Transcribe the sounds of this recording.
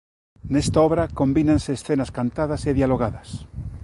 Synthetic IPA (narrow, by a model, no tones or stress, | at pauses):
nest̪aoβɾako̞mbinãnseːsθenaskant̪aðaseðjaloɣ̞aðas